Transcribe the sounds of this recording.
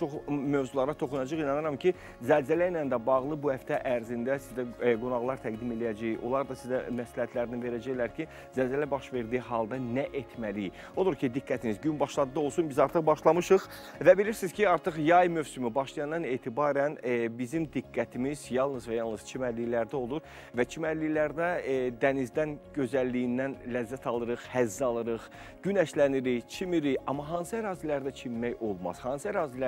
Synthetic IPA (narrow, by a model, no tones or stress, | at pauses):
t͡ʃʰoχmøvzulˠɑɾɑt̪ʰo̞χunɑd͡ʒɯʁinɑnɯɾɑmcʰi | zælzælæjnænd̪æbɑʁlˠɯbuhæft̪ʰæʔæɾzind̪æsizd̪æɡunɑʁlˠɑɾt̪ʰæɡd̪ime̞lijæd͡ʒæjo̞̰lˠɑɾd̪ɑsizæmæslæhæt̪ʰlæɾninve̞ɾæd͡ʒæjlæɾcʰi | zælzælæbɑʃve̞ɾd̪iɦɑlˠd̪ɑnæʔe̞t̪ʰmælij | o̞d̪uɾcʰid̪ikːæt̪ʰinizɟynbɑʃlˠɑd̪ɯd̪ɯo̞lˠsunbizɑɾt̪ʰɯχbɑʃlˠɑmɯʃɯχ | væbiliɾsizcʰiɑɾt̪ʰɯχjɑjmø̞vsymybɑʃlˠijɑnd̪ɑne̞ːt̪ʰibɑːɾænbizimd̪iɡːæt̪ʰimizjɑlˠnɯzvæjɑlˠnɯz̥t͡ʃʰimæɾlːijlæɾd̪æo̞lˠuɾ | væt͡ʃʰimæɾlːilæɾd̪æd̪ænizd̪ænɟø̞zælːijind̪ænlæzːæt̪ʰɑlˠɯɾɯχhæzːɑlˠɯɾɯχ | ɟynæʃlæniɾit͡ʃʰimiɾiɑ̰mːɑɦɑnsɯæɾɑːzilæɾd̪æt͡ʃʰimːæjo̞lˠmɑ̰z̥hɑnsɯæɾɑːzilæ